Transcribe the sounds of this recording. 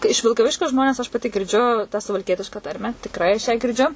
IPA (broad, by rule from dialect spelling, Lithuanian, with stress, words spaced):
ɪʃ ʋʲɪlˠkɐˈʋʲɪʃʲkʲoː ˈʒmoːnʲɛs ɐʃ pɐˈtʲɪ ɡʲɪrʲˈd͡ʒʲʊ tɑː sʊʋɐlʲˈkʲiɛtʲɪʃkɐ ˈtɐrʲmʲæː tʲɪkˈrɐɪ ɐʃ ˈjæː ɡʲɪrʲˈd͡ʒʲʊ